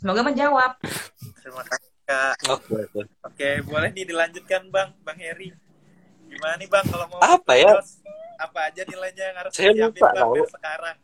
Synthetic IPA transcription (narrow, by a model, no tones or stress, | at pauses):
səmoɡaməɲd͡ʒawap̚ɾimasaikaokeokeokebolɛhdidilaɲd͡ʒʊt̪̚kanbaŋbaŋheɾi | ɡimananibaŋkalomaapaja | apaːd͡ʒanilajɲajaŋaɾʊsajaluppa̰ʔ̪aosə̥kaɾaŋ